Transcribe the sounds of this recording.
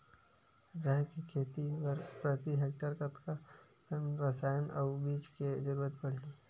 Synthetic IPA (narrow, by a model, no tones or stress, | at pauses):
ɾɛɦkikʰeːt̪ipɐɾpɾət̪iɦeːk̚ʈəɾkət̪ka | kənɾɐsaːjənʔɐʋbiːd͡ʒked͡ʒəɾuːɾət̪̚pɐɽ̤iː